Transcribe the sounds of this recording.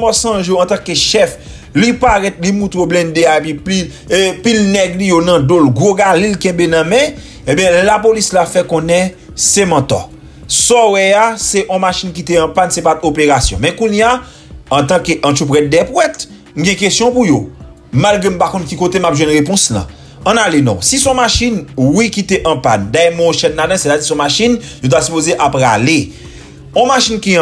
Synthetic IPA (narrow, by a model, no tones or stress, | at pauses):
mɔsɐ̃ʒjoɐ̃t̪ãkeʃɛf | lipaɣɛt̪limũt̪ɣoblɛ̃ndeaepipi | pilnɛɡlijonɐ̃dolɡʁoɡalilkɛ̃benɐ̃mɛ̃ | ẽbjɛ̃lapolislafɛkɔ̃nɛ̃ | semɐ̃t̪ɔ̰ | sɔwɛaseʔɔ̃maʃink̬it̪eɐ̃pansepatopeʁasjɔ̰̃mɛ̃kũnjãː | t̪ãkeʔɐ̃tupwɛt̪̚d̪ɛpwɛt̪ | m̩ɡɛ̃k̬esjɔ̃pujo | mmalɡʁem̩pakɔ̃nkikot̪emapʒwɛ̃nɣepɔ̃slɐ̰̃ː | nalenɔ̰̃sisɔ̃maʃinwikit̪eʔɐ̃pand̪aɛmɔ̃ʃɛnːadãset̪ad͡zisɔ̃maʃinjot̬asypozeʔapɣale | ɔ̃maʃinkĩ